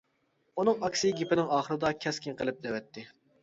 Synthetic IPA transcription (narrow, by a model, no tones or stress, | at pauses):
unɨŋɑkʲsiɡʲipɪnɪŋɑːχəɾɨd̪ɑkʲʰɛskʲɪnqʰəlˠɨp̚d̪ɛwɛt̪ʰːɪ